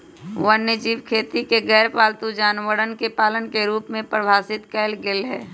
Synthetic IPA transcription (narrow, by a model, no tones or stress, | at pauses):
wənːəd͡ʒiːʋkʰeːt̪ikeɡɛːɾpaːlt̪ud͡ʒaːnʋəɽənkepaːlənkeɾuːpmẽpɾbʱaːsɪt̪kɛːlɡɪlɦɛ̰ː